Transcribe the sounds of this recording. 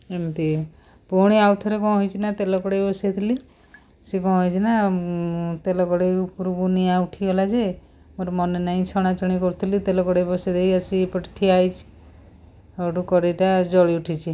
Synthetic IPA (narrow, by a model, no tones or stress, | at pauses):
emt̪i | pɔɽ̃iawt̪ʰɔɾekɔ̃ɦɔjt͡ʃʰinat̪elɔkɔɽejbɔsat̪ʰili | sekɔ̃ɦɔjt͡ʃʰina | t̪elɔkɔɽeupuɾubuniauʈʰiɦolad͡ʒe | moɾmɔnenaĩt͡ʃʰɔɽ̃at͡ʃɔɽ̃ikɔɾut̪ʰilit̪elɔkɔɽebɔsad̪ejasipəʈiʈʰiajt͡ʃʰi̥ | awʈukɔɾiʈad͡ʒɔɭiuʈʰit͡ʃʰi